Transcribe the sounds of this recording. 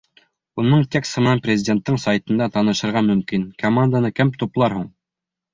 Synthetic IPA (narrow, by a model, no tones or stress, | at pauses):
unɤɴt̪ʲeksmɘnænpɾʲrʲɪzʲɪdʲe̞nt̪ːɤɴsajt̪ɤ̆nd̪ɑt̪ɑnɤ̆ʃɤ̆ɾʁɑmɵ̆mkinkɐmand̪anɤkɘmt̪uplˠɑɾhuɴ